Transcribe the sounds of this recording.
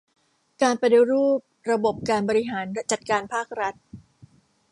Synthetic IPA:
kaː˧npa˧di˧ɾuː˥˩p̚ɾa˧bo˨˩p̚kaː˧nbɔː˧ɾi˦ɦaː˩˦nt͡ɕa˨˩t̪̚kaː˧npʰaː˥˩k̚ɾa˦˥t̪̚

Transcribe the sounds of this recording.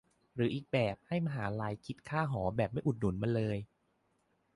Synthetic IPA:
ɾɯː˩˦ʔiː˨˩k̚bɛː˨˩p̚ha˥˩jma˧ɦaː˩˦˧laː˧jkʰi˦˥t̪̚kʰaː˥˩ɦɔː˩˦bɛː˨˩p̚ma˥˩jʔu˨˩t̪̚nu˩˦nma˧nlɤː˧j

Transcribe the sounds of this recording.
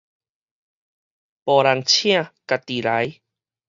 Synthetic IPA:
pɔ˨la˧ŋt͡ɕʰj̃ã˥˧˨ka˨t̪i˨la˨˦j

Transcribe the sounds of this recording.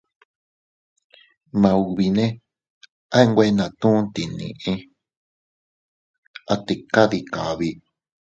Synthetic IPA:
mã˧u˨βi˧nẽ˦ | a˦e˦ŋɡʷe˧˦˧nã˨t̪ũ˦t̪i˨nḭ̃˨ʔẽ˦ | a˧t̪e˧˨ka˦ði˧ka˨βi˧

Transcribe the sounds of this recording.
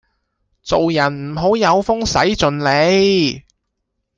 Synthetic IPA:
t͡so˨wjɐ˨˩nm̩˨˩ɦo˨˥wjɐ˨˧wfʊ˥ŋsɐ˨˥jt͡sɵ˨nle˨˧j

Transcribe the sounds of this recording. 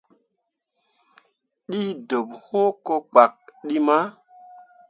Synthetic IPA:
ɗi˦do˨pho˦ko˦k͡pa˨k̚ɗi˦ma˦

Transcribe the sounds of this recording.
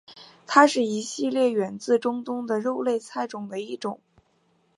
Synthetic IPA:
t̪ʰa˥ʂɻ̩˥˩i˧˥ɕi˥˧ljɛ˥˩ɥɛ˧˥nt͡sɹ̩˥˩˧ʈ͡ʂʊ˥ŋt̪ʊ˥ŋd̪ə˨ɻo˥˧ʊle˥˧ɪt͡sʰa˥˩ɪʈ͡ʂʊ˨˩ŋd̪ə˦i˥˩ʈ͡ʂʊ˨˩˦ŋ

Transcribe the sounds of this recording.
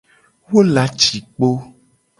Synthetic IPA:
wo˦la˨t͡ʃi˨k͡po˦

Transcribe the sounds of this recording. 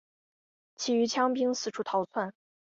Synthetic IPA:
t͡ɕʰi˨˩y˧˥t͡ɕʰjɑ˥ŋpi˥ŋsɹ̩˥˩ʈ͡ʂʰu˥t̪ʰɑ˧˥ʊt͡sʰwa˥˩n

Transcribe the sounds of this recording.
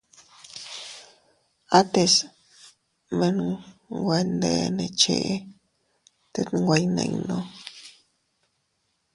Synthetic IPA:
a˦t̪e˧s | mẽ˧nɡʷe˧nd̪e˧nẽ˧t͡ʃḛ˧ʔe˦ | t̪e˧ŋɡʷa˧jnḛ̃˧i˧nõ˦

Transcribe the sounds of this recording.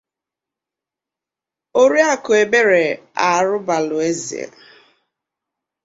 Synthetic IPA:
o˦ɾi˦a˦kʊ˨e˨be˦ɾe˨ | a˨ɾʊ˦ba˨lʊ˨e˦zḭ˨ḛ˨

